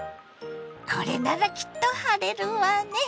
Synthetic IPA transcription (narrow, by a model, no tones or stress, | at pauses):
kʰoɾenaðakʲi̥t̪ːohaɾeɾɯwane